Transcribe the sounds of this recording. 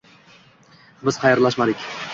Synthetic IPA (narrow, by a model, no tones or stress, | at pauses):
bɪz̥qʰɑjɾlaʃmad̪ɪkʲ